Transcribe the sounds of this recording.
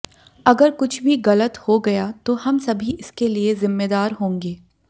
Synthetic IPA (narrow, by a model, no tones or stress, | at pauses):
ɐɡəɾkʊt͡ʃʰbʱiɣɐlət̪hoɡɐjat̪ohɐmsɐbʱiɪskeliezɪmːeːd̪aːɾɦõːŋɡeː